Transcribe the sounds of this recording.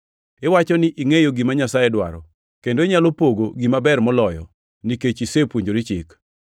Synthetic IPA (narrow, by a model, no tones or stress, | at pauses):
ɪwat͡ʃɔnɪʔiŋejoɡimaɲasajɛdwa̰ɾɔ̰ | kendoɪɲalopoɡoɡimabɛrmɔlɔjɔ̰ | niket͡ʃisepwoɲd͡ʒoɾit͡ʃɪ̰k